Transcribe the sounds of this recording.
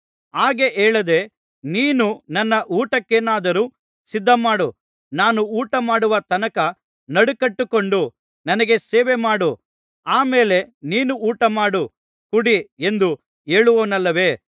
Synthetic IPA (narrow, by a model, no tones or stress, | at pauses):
aːɡe̞ʔeːɭɐd̪e̞ | niːnunɐnːɐʔuːʈɐkːeːnaːd̪ɐɾu | sid̪ʱːɐmaːɽu | naːnuuːʈɐmaːɽuʋɐt̪ɐnɐkɐ | nɐɽukɐʈːuko̞ɳɖu | nɐnɐɡe̞seːʋemaːɽu | aːmeːle̞niːnuuːʈɐmaːɽu | kuɽiend̪u | eːɭuʋoːnɐlːɐʋe̞ː